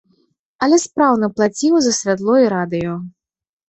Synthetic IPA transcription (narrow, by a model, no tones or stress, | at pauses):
ɐlʲɛspɾawnɐplˠat͡sʲiwzɐsʲvʲat̪lˠɔiɾad̪ɨjɔ